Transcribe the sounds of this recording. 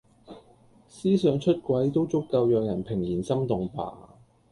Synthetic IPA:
siː˥sœː˨˧ŋt͡ʃʰɵ˥t̚kʷɐ˨˥jt̪o˥wt͡sʊ˥kːɐ˧wjœː˨˧k̚jɐ˨˩npʰɪ˨˩ŋjiː˨˩nsɐ˥mt̪ʊ˨ŋpa̰ː˨

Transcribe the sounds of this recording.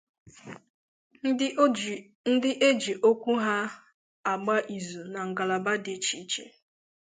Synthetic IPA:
n̩˦dɪ˦ʔe˦d͡ʒi˨ʔo˦kʷu˦ɦa˦ | a˨ɡ͡ba˦ʔi˨zu˨na˨ŋ̩˨ɡa˨la˨ba˦de˨t͡ʃi˨˦t͡ʃḛ˦

